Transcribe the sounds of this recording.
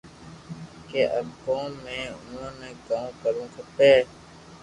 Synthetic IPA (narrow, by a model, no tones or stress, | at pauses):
keːʔəkõːmẽːʊnõːnẽːkãːmkəɾũːkʰəp̪eː